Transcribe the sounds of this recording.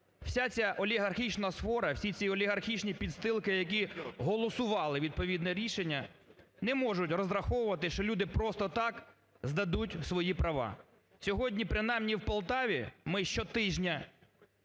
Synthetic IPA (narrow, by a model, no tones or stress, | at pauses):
w̥sʲat͡sʲaʔɔlʲiɦɐrxʲit͡ʃnɐsfɔɾɐwsʲit͡sʲiɔlʲiɦɐrxʲit͡ʃnʲipʲid̪st̪ɪlˠkɪjɐk̬ʲiɦɔlˠɔsʊʋɑlˠɪʋʲid̪̚pɔʋʲid̪nɛɾʲiʃenʲːɐnɛmɔʒʊtʲrɔzɾɐxɔwʊʋɐt̪ɪʃt͡ʃɔlʲud̪ɪpɾɔst̪ɔt̪ɑk | zd̪ɐd̪utʲsʋɔjipɾɐʋɑ̰ | sʲɔɦɔdʲnʲipɾɪnɑjmnʲiwpɐlˠt̪ɑʋʲimɪʃt͡ʃɔt̪ɪʒnʲɐ